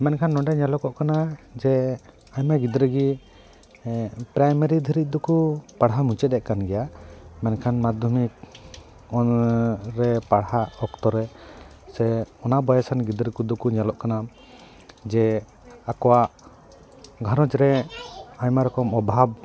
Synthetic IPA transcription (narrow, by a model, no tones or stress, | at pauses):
mɛnkʰanːɔɳɖɛɲɛlɔkɔʔkanad͡ʒɛ | aɲmaɡid̪ɾəɡi | pɾajmɛɾid̪ʱiɾic̪̚d̪ukupaɽɦamut͡ʃɛt̪̚ɛʔkanɡɛjamɛnkʰanmad̪ʱumik̚ | ɔnɾɛpaɽhaɔkt̪ɔɾɛ | sɛɔnabɔjasanɡid̪ɾəkud̪ukuɲalɔʔkana | d͡ʒɛ | akɔwaʔ | ɡʱaɾɔt͡ʃɾɛ | aɲmaɾɔkɔmɔbʱab̚